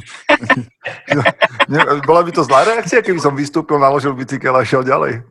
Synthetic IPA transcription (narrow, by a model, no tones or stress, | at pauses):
ɲɛbɔlabit̪ɔzlaːɾɛakt͡siakɛbisɔmʋist̪uːpilnalɔʒilbit͡sikɛlaʃɪɛlɟalɛ̰j